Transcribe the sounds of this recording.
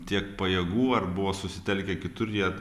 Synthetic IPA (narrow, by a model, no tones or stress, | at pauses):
t̪ʲiɛkpɐjɛːɡuːɐrbʊʋoːsʊsʲɪt̪ʲɛlʲkʲɛkʲɪt̪ʊɾʲjiɛ